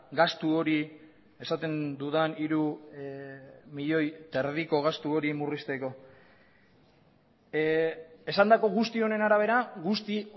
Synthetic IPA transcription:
ɡast̪uo̞ɾi | e̞sat̪e̞nd̪uðaniɾu | miʎo̞jt̪e̞ɾðiko̞ɣ̞ast̪uo̞ɾimurist̪e̞ko̞ | e̞sand̪ako̞ɣust̪io̞ne̞naɾaβ̞e̞ɾaɣust̪i

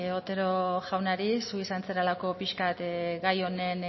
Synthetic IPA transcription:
ot̪e̞ɾo̞ʝawnaɾisuisant͡seɾalako̞piʃkat̪ɡajo̞ne̞n

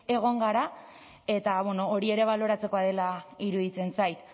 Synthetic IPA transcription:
e̞ɣ̞o̞ŋɡaɾa | e̞t̪aβweno̞oɾie̞ɾe̞β̞alo̞ɾat͡se̞ko̞að̞e̞laiɾuðit͡se̞nsajt̪

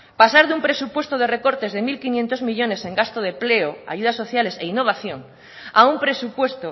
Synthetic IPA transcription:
pasaɾðumpɾesupwest̪oð̞ereko̞ɾt̪e̞zðemilkinjent̪ozmiʎo̞ne̞seŋɡast̪oð̞epleoa̰ʝuð̞aso̞θjaleseinːoβ̞aθjoŋ | aumpɾesupwe̞st̪o

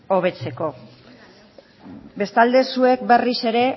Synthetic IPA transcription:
o̞β̞e̞t͡se̞ko̞ | be̞st̪ald̪e̞sue̞kbe̞rise̞ɾe̞

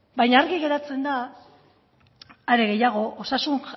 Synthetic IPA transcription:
bajɲaːɾɣiɣe̞ɾat͡se̞nd̪a | ɾe̞ɣe̞jaɣ̞o̞ʔosasun

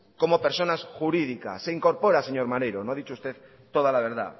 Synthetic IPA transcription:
ko̞mopeɾso̞nasxuɾiðika̰se̞iŋko̞ɾpo̞ɾase̞ɲo̞ɾmaɾejɾonoaðit͡ʃoust̪e̞ð | t̪o̞ð̞alaβ̞e̞ɾða̰

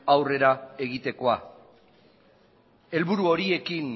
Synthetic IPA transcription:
awre̞ɾae̞ɣ̞it̪e̞ko̞a | e̞lβuɾuo̞ɾie̞kin

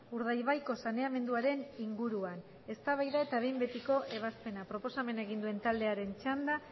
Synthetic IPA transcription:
uɾð̞ajβ̞ajko̞sane̞ame̞nd̪uaɾe̞niŋɡuɾuan | e̞st̪aβajðae̞t̪aβe̞jmbe̞t̪iko̞ʔe̞β̞aspe̞napɾo̞po̞same̞naeɣ̞ind̪ue̞nt̪ald̪e̞aɾe̞nt͡ʃand̪a

